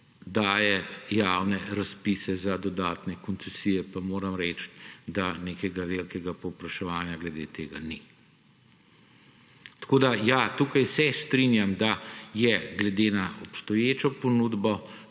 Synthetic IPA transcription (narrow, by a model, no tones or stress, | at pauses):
d̪aːjɛjawnɛɾaspisɛzad̪ɔd̪aːt̪nɛkɔnt̪sɛsijɛpamoːɾamɾɛt͡ʃt̪d̪aneːkɛɡaʋelkɛɡapɔwpɾaʃɛʋaːnjaɡlɛd̪eːt̪eːɡani | t̪ḁkoːd̪ajat̪uːkajsɛst̪ɾinjamd̪ajɛɡlɛd̪enaɔpst̪ɔjeːt͡ʃɔponuːd̪bɔ